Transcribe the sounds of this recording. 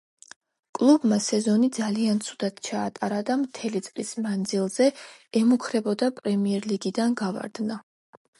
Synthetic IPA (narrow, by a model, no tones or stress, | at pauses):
kʼlˠubmasɛzɔnid̪zaliant̪sʰud̪ad̪̥t͡ʃʰaːt̪ʼaɾad̪amt̪ʰɛlit̪sʼlismand̪zilˠzɛɛmukʰɾɛbɔd̪apʼɾɛmiɛɾliɡid̪anɡava̰ɾd̪na